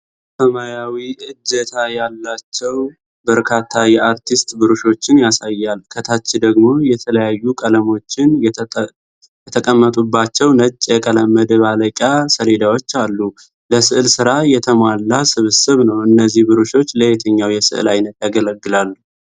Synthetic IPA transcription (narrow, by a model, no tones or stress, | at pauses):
səmajawiʔɨd͡ʒːət̪ʰajalːat͡ʃːɛw | bəɾkʰat̪ʰːajɛaɾt̪ʰist̪bɨɾuʃo̞t͡ʃːɪnjasajːalkʰət̪ʰat͡ʃːɪd̪əɡmo̞jɛt̪ʰələjajːukʼələmo̞t͡ʃːɪn | jɛt̪ʰəkʼəmːət̪ʼubːat͡ʃːɛwnət͡ʃʼːjɛkʼələmːəd̪əβaləkʼjasəle̞d̪awo̞t͡ʃːalːu | ləsɨʔɨlsɨɾajɛt̪ʰəmʷwalːasɨβɨsɨβnəwʔɨnːəzːihbɨɾuʃo̞t͡ʃːləjet̪ʰəɲːawjɛsɨ̰ʔɨ̰lajnət̪jaɡələɡːɨlalːu